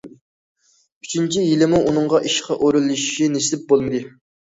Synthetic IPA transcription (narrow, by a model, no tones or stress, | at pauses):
yt͡ʃʰint͡ʃʰijilɪmuʔunɨŋʁɑʔiʃqʰɑʔoɾulˠːɨʃiʃinesɪlɪp̚bolˠmɨd̪ɨ